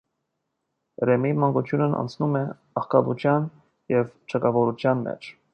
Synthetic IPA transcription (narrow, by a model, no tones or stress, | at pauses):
ɾɛmimɑŋɡut͡ʃ̪ʰjunənɑ̰nt͡sʰnumɛ | ɑχkɑbut͡ʃʰjɑn | jɛvt͡ʃʰɑkɑvɔɾut͡ʃʰjɑnmɛ̰t͡ʃʰ